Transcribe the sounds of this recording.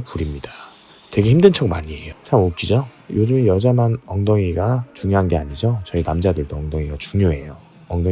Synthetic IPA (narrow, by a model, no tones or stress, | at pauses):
puɾimɲidḁ | twe̞ɡe̞çimdɯnt͡ɕʰʌɡmaɲie̞jot͡ɕʰamok͈id͡ʑo | jod͡ʑɯmjʌd͡ʑamanʌŋdʌŋiɡat͡ɕuŋjoɦanɡe̞aɲid͡ʑʌt͡ɕʌinamd͡ʑadɯɭdoʌŋdoŋiɡat͡ɕuŋɲoe̞jo | ʌŋdo